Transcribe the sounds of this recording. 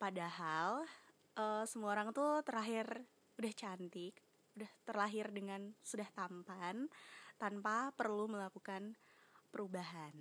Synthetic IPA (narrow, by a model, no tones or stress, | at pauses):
padaɦal | ʔəsəmuaoɾaŋt̪ut̪əɾaɦɪr | udaht͡ʃant̪ɪk̚ | udaht̪ərlaɦɪrdəŋansudaht̪ampant̪anpapərluməlakukanpəɾubaɦan